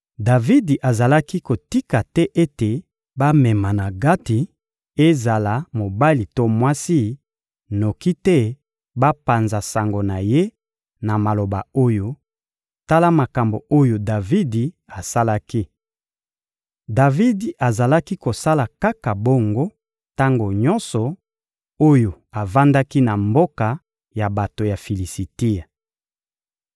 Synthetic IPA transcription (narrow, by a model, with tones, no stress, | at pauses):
da˨vi˦di˨ʔa˨za˨la˦ki˦ko˨ti˦ka˨tɛ˦ʔe˦te˨ | ba˦mɛ˨ma˨na˨ɡa˦ti˨ | e˦za˨la˨mo˨ba˦li˨to˦mwa˦si˦ | no˨ki˦tɛ˦ | ba˦pa˨nza˨sa˨ŋɡo˨na˨je˦ | na˨ma˨lo˨ba˨o˦jo˦ | ta˦la˦ma˨ka˨mbo˨o˦jo˨da˨vi˦di˨ | a˨sa˦la˦ki˦ | da˨vi˦di˨a˨za˨la˦ki˦ko˨sa˦la˨ka˦ka˨bo˦ŋɡo˦ | ta˦ŋɡo˨ɲɔ̃˦nsɔ˨ | o˦jo˨ | a˨va˦nda˦ki˦na˨mbo˦ka˨ | ja˨ba˨to˨ja˨fi˨li˨si˨ti˦a˨